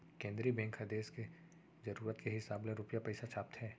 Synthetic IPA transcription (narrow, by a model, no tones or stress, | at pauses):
kẽːnd̪ɾibɛ̃ːŋkɦɐd̪eːske | zɐɾuːɾət̪keɦɪsaːblẽɾʊpjapɛɪsat͡ʃʰaːp̚t̪ɦɛː